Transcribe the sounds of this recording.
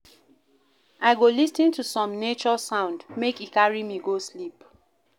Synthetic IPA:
aɪɡolisĩntusɔ̃mnet͡ʃɔsãʊ̃ndmekikaɹimiɡoslip

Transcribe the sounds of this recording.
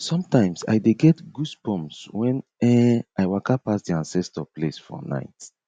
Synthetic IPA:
sɔ̃mtãɪ̃msa̰jdeɡɛtɡuspɔ̃mswɛ̃nɛʔajwakapasdiãnsɛstɔplesfɔ̰na̰ɪt

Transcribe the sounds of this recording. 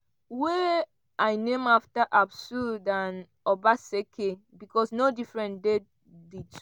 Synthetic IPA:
we | ajnẽmaftaʔabsudãn | ɔbasekʰe | bikʰɔsnodifɹɛ̃nde | dit

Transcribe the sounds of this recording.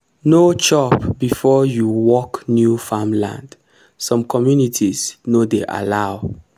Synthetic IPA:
not͡ʃɔpbifɔjuwɔknjufamlã̰nd | sɔ̃mkʰɔmjunitʰisnodeʔa̰laʊ

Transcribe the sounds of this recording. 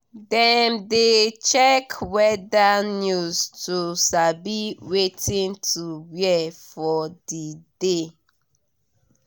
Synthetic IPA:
dɛ̃mdet͡ʃɛkwɛdanjuztʰusabiwetʰĩntʰuwɛfɔdide

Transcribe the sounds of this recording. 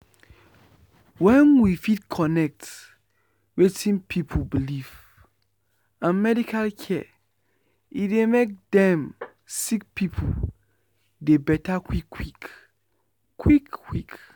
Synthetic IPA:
wɛ̃nwifidkʰɔnɛk̚t | wetʰĩnpʰipʰobiliv | ãnmɛdikʰalkʰɛ | idemek̚dɛ̃m | sik̚pʰipʰṵ | debɛtakwikwik | kʰwikːwik

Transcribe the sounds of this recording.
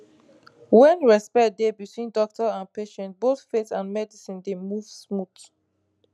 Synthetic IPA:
wɛ̃nɹɛspɛt̚debitʰwĩndɔk̚tɔãnpeʃɛ̃nt̚botfetãnmɛdisĩndemuv̥smut

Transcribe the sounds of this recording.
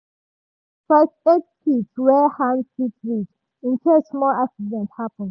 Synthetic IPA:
fɛstetkitswɛhãndfitɹid͡ʒ | ĩntʰɛlsmɔlaksidɛ̃nthapə̃nd

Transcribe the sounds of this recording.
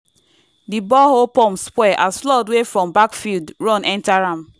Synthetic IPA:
dibɔɦopɔmspwɛʔasflɔdwefɹɔ̃mbakfildɹɔ̃nɛ̃ntaɾãm̩

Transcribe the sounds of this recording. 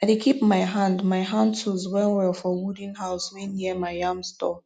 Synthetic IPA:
anekʰipmaɪɦãndmaɪɦãndtʰuzwɛlwɛlˠfɔwudĩnɦaʊswɛ̃nːiəmaɪjãmstɔ

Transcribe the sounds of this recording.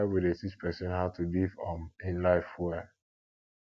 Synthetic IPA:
widesispʰɛsɛ̃nɦaʊtʰulivɔ̃nɪ̃nlaɪfwɛ

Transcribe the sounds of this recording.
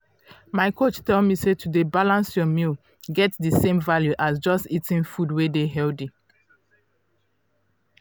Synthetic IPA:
maɪkʰot͡ʃtɛlmisetʰudebalãnsjɔmil | ɡɛtdəsẽmvaljuʔasd͡ʒɔstitĩnfudwedeɦɛldi

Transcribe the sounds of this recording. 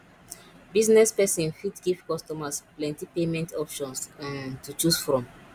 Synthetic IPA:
biznɛspɛsɔ̃nfitɡivkɔstɔmasplɛ̃ntipemɛ̃ntʰɔpʃɔ̃nsãntut͡ʃusfɹɔ̃m

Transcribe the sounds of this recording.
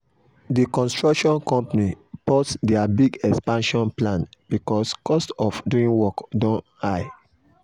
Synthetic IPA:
dikɔ̃nstɹɔkʃɔ̃nkɔ̃mpanipɔtdɛabiɡɛkspãnʃɔ̃nplãnb̥ikɔskɔstɔfduĩnwɔkdɔ̃n | aɪ

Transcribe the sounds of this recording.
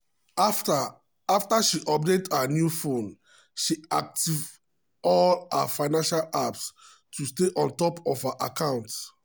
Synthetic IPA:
ta | aftaʃiʔɔp̚dẽtanjufõn | ʃia̰k̚tiv | ɔla̰faɪnãnʃalaps | tʰusteʔɔ̃ntɔpɔfhaʔakãʊ̃nt

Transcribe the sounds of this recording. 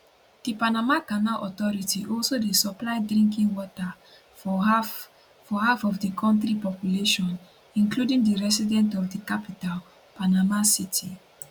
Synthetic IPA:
d̥ipanamakanalʔɔtɔɹitiʔɔlsodesɔplaɪdɹĩŋkĩŋwɔta | fɔhafɔvdikʰɔ̃ntɾipɔpjuleʃɔ̃n | ĩnkludĩŋdiɹɛsidɛ̃ntɔfdikapital | panamasitʰi

